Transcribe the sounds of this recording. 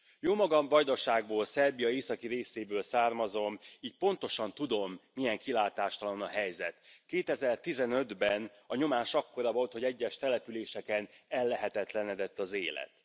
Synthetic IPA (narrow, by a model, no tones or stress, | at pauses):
joːmɒɡɒmvɒjd̪oʃaːɡ̚boːlsɛrbijɒeːsɒkiɾeːseːbøːlsaːrmɒzo̞miːc̚po̞n̪t̪o̞ʃɒnt̪ud̪o̞mːijɛŋkilaːt̪aːʃt̪ɒlonɒɦɛjzɛ̰t̪keːt̪ɛzɛrt̪izɛnø̞d̪bɛn | ɒɲo̞maːʃɒkːo̞ɾɒvo̞lt̪ho̞ɟɛɟːɛʃt̪ɛlɛpyleːʃɛkɛnɛlːɛɦɛt̪ɛt̪lɛnɛd̪ɛt̪ːɒzeːlɛ̰t̪